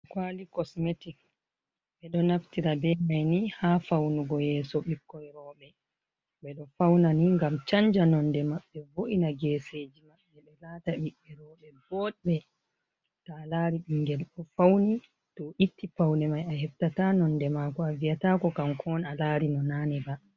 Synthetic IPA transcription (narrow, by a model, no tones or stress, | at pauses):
kwaːlikɔsmeti | ɓɛɗɔnaftiɾabɛmajnihafawnuɡɔjɛːsɔɓikːɔjɾɔːɓɛ | ɓɛɗɔfawnaniŋɡamt͡ʃaɲd͡ʒanɔndɛmaɓːɛvoʔinaɡɛːseːd͡ʒimaɓːɛɓɛlaːtaɓiɓːɛɾɔːɓɛbɔɗɓɛ | talaːɾiɓiŋɡɛlɗɔfawni | tɔʔitːipawnɛmajahɛftatanɔndɛmaːkɔavijatakɔkamkʰɔnalaːɾinɔnaːnɛba